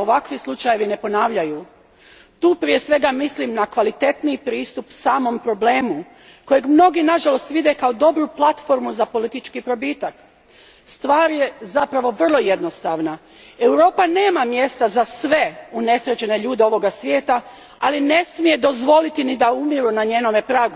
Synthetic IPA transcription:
oʋakʋislˠut͡ʃaje̞ʋine̞po̞naːʋʎaju | t̪uːpɾije̞sʋe̞ɡamislimnakʋalit̪e̞t̪nipɾiːst̪upsaːmo̞mpɾo̞ble̞ːmu | ko̞jeɡmno̞ɡinaʒalo̞st̪ʋid̪e̞kao̞d̪o̞bɾuplˠat̪fo̞ɾmuzapo̞lit̪it͡ʃkipɾo̞biːt̪ak | st̪ʋaːɾje̞zapɾaʋo̞ʋr̩lˠo̞jed̪no̞st̪aːʋna | e̞wɾo̞ːpane̞ːmamje̞st̪azasʋe̞une̞sɾe̞t͡ɕe̞ne̞ʎuːd̪e̞o̞ʋo̞ɡasʋʲjeːt̪a | aline̞smije̞d̪o̞zʋo̞lit̪inid̪aumiɾunaɲeːno̞me̞pɾaːɡu

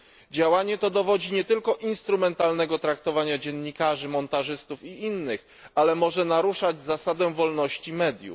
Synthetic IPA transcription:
d͡ʑawaɲɛt̪ɔd̪ɔvɔd͡ʑiɲɛt̪ɘlkɔʔinst̪ɾumɛnt̪alnɛɡɔt̪ɾakt̪ɔvaɲad͡ʑɛnːikaʐɘmɔnt̪aʐɘst̪ufiinːɘx | alɛmɔʐɛnaɾuʂad͡ʑzasad̪ɛvɔlnɔɕt͡ɕimɛd̪ʲjṵ

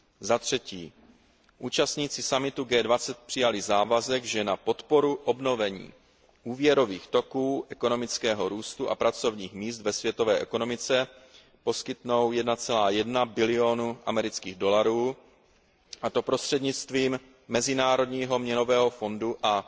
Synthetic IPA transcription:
zat̪r̝̥ɛciː | ʔuːt͡ʃast̪ɲiːt͡sɪsamɪt̪uɡɛːdvat͡sɛt̪̚pr̝̥ɪjalɪzaːvazɛɡʒɛnapo̞t̪po̞ɾuʔo̞bno̞vɛɲḭː | ʔuːvjɛɾo̞viːxt̪o̞kuːʔɛko̞no̞mɪt͡skɛːɦo̞ɾuːst̪uʔa̰pɾat͡so̞vɲiːxmiːs̬t̪vɛsvjɛt̪o̞vɛːʔɛko̞no̞mɪt͡sɛ | po̞skɪt̪no̞wjɛdnat͡sɛlaːjɛdnabɪlɪo̞nuʔamɛɾɪt͡skiːɣdo̞laɾuː | ʔat̪o̞pɾo̞st̪r̥ɛdɲɪt͡st̪viːmː | ɛzɪnaːɾo̞dɲiːɦo̞mɲɛno̞vɛːɦo̞fo̞nduʔa

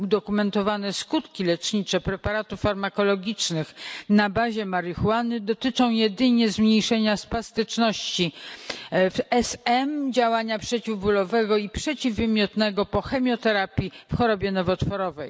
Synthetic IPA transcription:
ud̪ɔkumɛnt̪ɔvanɛskut̪kʲilɛt͡ʂɲit͡ʂɛpɾɛpaɾat̪ufːaɾmakɔlɔɡʲit͡ʂnɘxnabaʑɛmaɾɘxwanɘd̪ɔt̪ɘt͡ʂɔ̃w̃jɛd̪ɘɲɛzmɲejʂɛɲaspast̪ɘt͡ʂnɔɕt͡ɕi | fɛsɛmd͡ʑawaɲapʂɛt͡ɕivbulɔvɛɡɔipʂɛt͡ɕivːɘmʲjɔt̪nɛɡɔpɔxɛmʲjɔt̪ɛɾapʲjifxɔɾɔbʲjɛnɔvɔt̪fɔɾɔvɛj

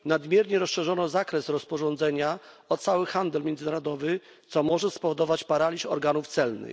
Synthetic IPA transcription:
nad̪mʲjɛɾɲɛɾɔsʂɛʐɔnɔzakɾɛsɾɔspɔʐɔnd̪zɛɲa | ɔt̪sawɘxand̪ɛlmʲjɛnzɘnaɾɔd̪ɔvɘ | t̪sɔmɔʐɛspɔvɔd̪ɔvat͡ɕpaɾalʲiʃɔɾɡanuft̪sɛlnɘ̰

